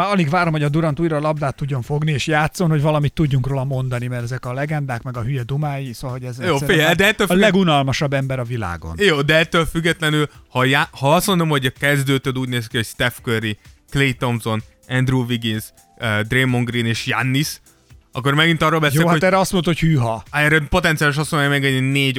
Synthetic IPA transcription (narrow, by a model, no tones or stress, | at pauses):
aɒliɡʋaːɾo̞mhoɒd̪uɾɒnt̪uːjɾɒːlɒb̚d̪aːt̪ːuɟːo̞ɱfo̞ɡnieːʃjaːt̪so̞nho̞ɟvɒlɒmit̪ːuɟːuŋkroːlɒmo̞nd̪ɒnimɛɾɛzɛkɒlɛɡɛnd̪aːkmɛɡɒɦyjɛd̪umaːjisoːɒlɦoɟɛzjoːeɛd̪ɛɛt̪ːøːllɛɡunɒlmɒʃɒbːɛmbɛɾɒvila̰ːɡo̞̰njoːd̪ɛɛt̪ːøːlfyɡːɛt̪lɛnylhɒjaːhɒɒst̪mo̞nd̪o̞mho̞ɟɒkɛzd̪øːt̪ød̪uːɟneːzikiho̞cst̪ɛfkøriklejt̪omzo̞n | ɛnd̪ruviɡins | d̪reːmːoŋɡrineːʃja̰nːis | ɒkːo̞rmɛɡint̪ɒrːolbɛsjoeːhaot̪ɛːɾɛɒst̪monhochyːɦɒɛɾɛpo̞t̪ɛnt̪siaːliʃɒstmonajmɛɡɛenːeːɟ